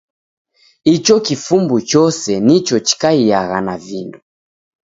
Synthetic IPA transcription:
it͡ʃɔkifumbut͡ʃɔsɛnit͡ʃɔt͡ʃi̥kaiaɣanavindu

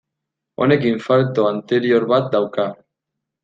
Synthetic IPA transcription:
o̞̰ne̞kiɱfaɾt̪o̞ant̪e̞ɾio̞ɾβat̪̚d̪awka

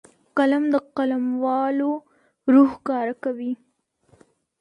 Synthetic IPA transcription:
qalamd̪əqalamwɑlo | ɾuhkɑɾakawi

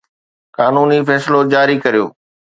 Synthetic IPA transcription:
kaːnuːnifɛːslod͡ʑaːɾikɐɾijo̰ː

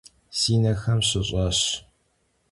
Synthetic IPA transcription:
siːnɐxɐmɕɪɕʼɐɕ

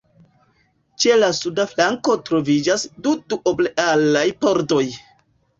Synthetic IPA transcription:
t͡ʃe̞lasudaflaŋko̞tɾo̞vid͡ʒasduduʔobleʔalajpo̞ɾto̞j

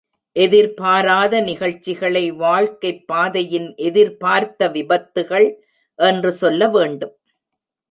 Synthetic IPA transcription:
ʔɛðɪɾpaːɾaːðɐnɪɣɐɭt͡ʃːɪɣɐɭɐɪʋaːɭkɐɪpːaːðɐjɪnʔɛðɪɾpaːɾt̪ɐʋɪbɐt̪ːɯɣɐɭ | ʔɛndrɯsɔlːɐʋeːɳɖɯm

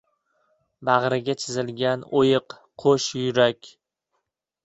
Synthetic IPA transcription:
baʁɾɪɡʲat͡ʃʰɪzɪlɡʲanojɨqʰ | oʃjʊɾakʲ

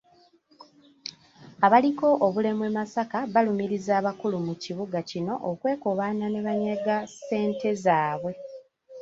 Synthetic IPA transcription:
aβaliko̞ʔoβule̞mwe̞masakaβalumiɾizaːβakulumuciβuɡacino̞ʔokwe̞ːkoβaːnane̞βaɲaɡase̞ːnte̞zaːβwe̞

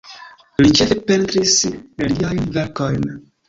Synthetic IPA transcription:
lit͡ʃefepentɾisliajnveɾkojn

